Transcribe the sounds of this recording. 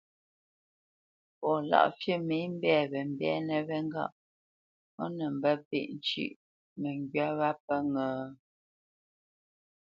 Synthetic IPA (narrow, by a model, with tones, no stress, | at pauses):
pɔ˨la̰˦˨ʔfjə˦˨me˨˦m̩˦bɛ˦˨βɛ˨m˨bɛ̰˦nə˨βɛ˦ŋ˦ɡa̰˦˨ʔ | ɔ˦nə˨m̩˨bə˦pḛ˦˨ʔn̩˨t͡ʃḭ˦˨ʔ | mə˨ŋɡɥa˦βa˦pə˦ŋəː˨